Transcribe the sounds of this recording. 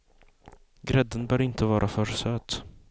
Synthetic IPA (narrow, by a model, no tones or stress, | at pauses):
ɡɾɛd̪ːənbœːɾɪnt̪ʰəvɑːɾʔafœɾsøːt̪